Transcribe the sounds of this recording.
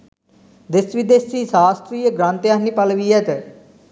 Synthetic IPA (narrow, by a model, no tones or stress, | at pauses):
d̪ɪsʋid̪esiːsaːst̪ɾiːəɡɾãːnt̪ejaːniːpəlʋiːɛt̪e